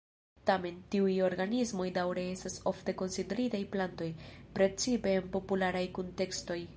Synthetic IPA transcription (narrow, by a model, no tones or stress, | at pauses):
tame̞ntiujo̞ɾɡanizmo̞jdawɾe̞e̞staso̞fte̞ko̞nside̞ɾitajplanto̞jpɾe̞t͡sipe̞ːnpo̞pulaɾajkonte̞ksto̞j